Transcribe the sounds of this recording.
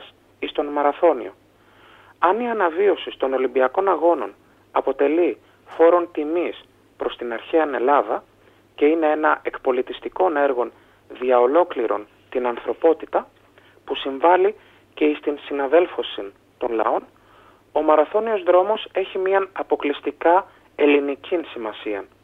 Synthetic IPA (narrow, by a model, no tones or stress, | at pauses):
s | ist̪o̞nmɐɾɐθo̞nḭo̞̰ | ɐniɐnɐvio̞sist̪o̞no̞limbiɐko̞nɐɣo̞no̞n | ɐpo̞t̪e̞li | fo̞ɾo̞nt̪imis | pɾo̞st̪inɐɾçeɐne̞lɐðɐ | ce̞ine̞enɐʔe̞kpo̞lit̪ist̪iko̞ne̞ɾɣo̞n | ðiɐo̞lo̞kliɾo̞̰n | t̪inɐnθɾo̞po̞t̪it̪ɐ | pusiɱvɐli | ce̞ist̪insinɐðe̞lfo̞sin | t̪o̞nlɐ̰o̞n | o̞mɐɾɐθo̞nio̞zðɾo̞mo̞se̞çimiɐnɐpo̞klist̪ikɐ | e̞linicinsimɐsiɐn